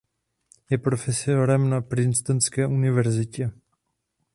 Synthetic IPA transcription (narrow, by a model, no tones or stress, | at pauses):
jɛpɾo̞fɛsoɾɛmnapɾɪnst̪ɛnskɛːʔunɪvɛɾzɪcɛ